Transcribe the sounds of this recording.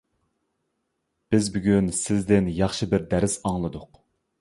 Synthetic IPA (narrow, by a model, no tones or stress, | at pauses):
b̥ɪzbyɡʲynsɪzd̪ɪnjɑχʃɨbɪɾd̪æɾɪsɑŋlˠɨd̪ʊq